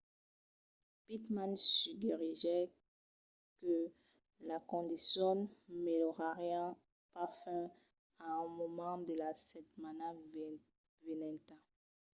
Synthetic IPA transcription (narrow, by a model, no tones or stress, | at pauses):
pit̪mãnsyɡiʁiʒɛ | kə | lakɔ̃d̪isjɔ̃nmelɔʁaʁjɑ̃ | pafɛ̃ | aɛ̃mɔmɑ̃d̪əlasɛt̪mana | venɛ̃t̪a